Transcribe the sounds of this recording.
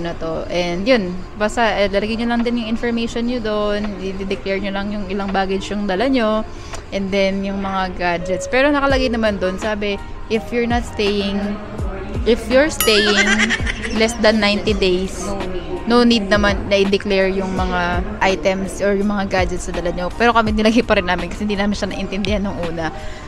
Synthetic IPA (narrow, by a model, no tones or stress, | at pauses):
nɐt̪o̞ʔɛnd̪jʊn | basɐʔlɐlɐɡɐjɲolɐŋd̪ɪnjʊŋɪnfɔɹmejʃonɲod̪onɪd̪ɪd̪ɪklɛɹɲolɐŋjʊŋɪlɐŋbaːɡɪt͡ʃjʊŋd̪ɐlɐɲo | ʔɛnd̪ɛnjʊŋmɐŋaɡad͡ʒɛt̪spɛːɾonɐkɐlɐɡɐjnɐmand̪o̞nsaːbɛ | ʔɪfjʊɹnɐt̪st̪ejɪŋ | ʔɪfjʊɹst̪ejɪŋlɛst̪̚d̪ɐnːajnt̪id̪ejsnonid̪̚nɐmanːɐʔɪd̪ɛklɛɹjʊŋmɐŋaʔajt̪ɛmsʔɔɹjʊŋmɐŋaɡad͡ʒɛt̪sɐd̪ɐlaɲo̞pɛːɾo̞kɐmɪnɪlɐɡejpɐɾɪnːaːmɪnkɐsɛ̥hɪnd̪iːnaːmɪnʃɐnɐʔɪnt̪ɛnd̪ɪhanːʊŋʔuːnɐ